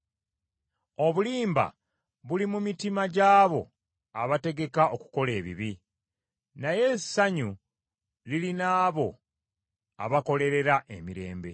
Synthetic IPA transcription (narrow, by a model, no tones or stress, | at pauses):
o̞βuliːmba̰ | βulimumitimaɟaːβo̞ | aβate̞ɡe̞kaʔo̞ku̥ko̞le̞ːβḭβi | naje̞saɲu | lilinaːβo̞ | a̰βako̞le̞ɾe̞ɾaʔe̞miɾe̞̰ːmbe̞̰